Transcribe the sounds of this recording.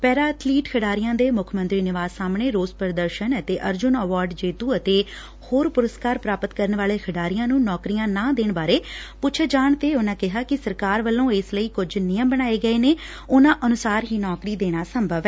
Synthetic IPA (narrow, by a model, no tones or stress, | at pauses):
pɛːɾaːət̪ʰliːʈkʰəɖaːɾijãːd̪eːmʊkʰmə̃nt̪ɾiːnɪʋaːzsaːmɳeːɾoːzpəɾəd̪əɾʃənət̪eːʔəɾd͡ʒʊnəʋaːɾɖd͡ʒeːt̪uːət̪eː | hoːɾpʊɾəskaːɾpɾaːpət̪kəɾənʋaːleːkʰəɖaːɾijãːnũːnɔːkɾijãːnãːd̪eːɳbaːɾeːpʊːt͡ʃʰːd͡ʒaːɳt̪eːʊnãːkɪɦaːkɪsəɾkaːɾʋəlːõːɪsləiːkʊd͡ʒnɪjəmbəɽ̃aːeːɡəeːneː | ʊnãːʔənʊsaːɾɦiːnɔːkɾiːd̪eːɽ̃aːsəmbʱəʋɛ